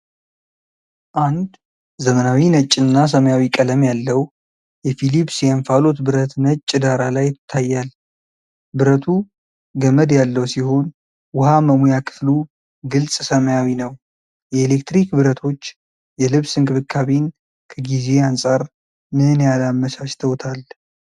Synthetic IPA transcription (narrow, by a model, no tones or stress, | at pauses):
ʔand̪ | zəmənawinət͡ʃʼːɪnːas̬əməjawikʼələmjalːəw | jɛfilipsjɛanfalo̞t̪bɨɾət̪nət͡ʃʼːɪd̪aɾalajɪt̪ʰːajːal | bɨɾət̪ʰu | ɡəməd̪jalːəwsiho̞n | wʊhaməmujakʰɨ̥flu | ɡɨlsʼsəməjawinəw | jɛelekt̪ɾikbɨɾət̪ʰo̞t͡ʃː | jɛlɨβsɨŋkʰʼɨβɨkʰːaβin | kʰəɡize̞ansʼaɾ | mɨnjalamːəsaʃt̪ʰəwt̪ʰal